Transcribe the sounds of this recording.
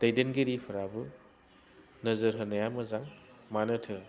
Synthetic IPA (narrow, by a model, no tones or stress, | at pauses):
d̥ɐjdenɡeɾipʰɐɾabɯ | nɐzɐɾɦɐnɐjamɐzaŋmanɯtʰɯ